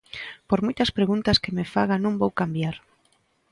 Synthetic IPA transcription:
poɾmojt̪ɐspɾeɣunt̪ɐskemefaɣanõŋbowkambjaɾ

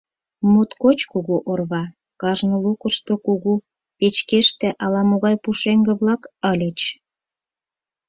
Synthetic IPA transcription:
mut̪kot͡ɕkuɣuʔorβɑ | kɑʒnə̆lukəʃt̪okuɣu | pet͡ɕkeʃt̪ĕʔɑlɑmoɣɑjpuʃeŋɡĕβlɑkəlʲə̆t͡ɕ

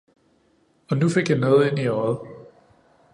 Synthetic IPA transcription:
ɒ̽nufe̝ɡ̥jɑnɔ̽ːð̞ˠe̝n̰iɒð̩ˠ

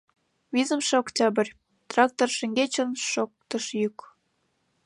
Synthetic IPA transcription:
vizəmʃĕoktʲɑbɘ̆rʲ | t̪rɑk̚t̪orʃĕŋɡet͡ɕə̆nʃok̚t̪ə̆ʃjyk

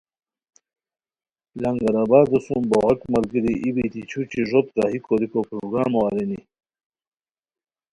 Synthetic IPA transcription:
lɐŋɡaɾaːbaːd̪usumboɣɐkmɐlɡiɾiʔibit̪it͡ɕʰut͡ɕiʐot̪̚kaɦikoɾikopɾoɡɾaːmoaɾini

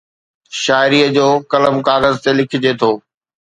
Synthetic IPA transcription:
ʃaːɪɾiːəd͡ʑoːkɐləmkaːɣəzt̪elɪkʰɪ̆d͡ʑeːt̪ʰoː

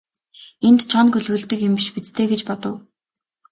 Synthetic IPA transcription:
ent̪t͡ɕʰɔnkɵɮwɘ̆ɮt̪ɘ̆kjɪmpiʃpit͡st̪ʰeːɡet͡ɕpɔt̪ɞ̆w

